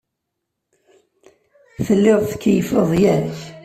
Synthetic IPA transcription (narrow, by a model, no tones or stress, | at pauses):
θəlːɪʁθə̥kːəjəfəðˤjæɾç